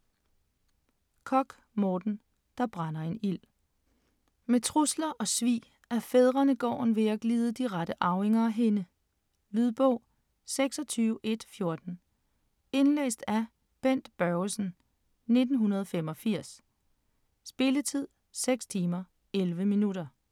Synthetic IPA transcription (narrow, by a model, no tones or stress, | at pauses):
kʰɒ̽ɡ̥ | mɒːd̥n̩ | d̥ɑ̈b̥ʁɑnɐe̝nil̰ | met͡sʰʁuslɐʔɒ̽sʋḭː | æɐfeð̞ˠʁɐnəɡ̥ɒ̰ːn̩ʋe̝æɡ̥liːð̞ˠəd̥iʁaɾ̥əʔɑ̈ʊe̝ŋɐæɦe̝nə | lyðˠb̥ɔʊ̰ | seɡ̥sɒ̽t͡sʰyːʊəʔe̝d̥fjo̝ɐd̥n̩ | e̝nlḛːsd̥æ | b̥en̰d̥b̥ɶsn̩ | ne̝d̥n̩ɦunɐð̞ˠfem̰ɒ̽fiɐ̰s | b̥e̝lət͡sʰið̞̰ˠ | seɡ̥st͡sʰiːmɐ | elʋəminuɾɐ